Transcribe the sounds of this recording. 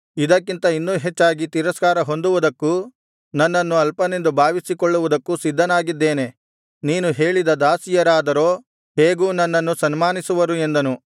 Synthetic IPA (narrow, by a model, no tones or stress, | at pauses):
id̪ɐkːint̪ɐinːuːɦet͡ʃːaːɡit̪iɾɐskaːɾɐɦo̞nd̪uʋud̪ɐkːu | nɐnːɐnːuɐlpɐne̞nd̪ubʱaːʋisikoɭːuʋud̪ɐkːusid̪ʱːɐnaːɡid̪ːe̞ːne̞ | niːnuɦe̞ːɭid̪ɐd̪aːsijɐɾaːd̪ɐɾoː | ɦeːɡunɐnːɐnːusɐnmaːnisuʋɐɾuend̪ɐnu